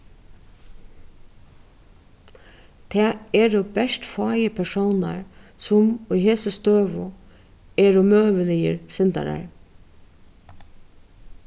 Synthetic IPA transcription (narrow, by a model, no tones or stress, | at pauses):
t̪ʰɛːɛɾɔbɛʂt̪fɑːjəpʰɛʂowna̰ɹsʊmʊjɦeːsəst̪øːʋʊ | ɛɹʊmøːʋəlɪjə̰ɾsɪnt̪a̰ɾa̰ɹ